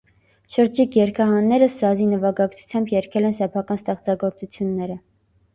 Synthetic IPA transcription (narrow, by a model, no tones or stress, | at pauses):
ʃəɾd͡ʒikʰjɛɾkʰɑɦɑnːɛɾəsɑzinəvɑɡɑkt͡sʰu̥t͡sʰjɑmbjɛɾkʰɛlɛnsɛpʰɑkɑnst̪ɛχt͡sɑɡɔɾt͡sut͡sʰjunːɛɾə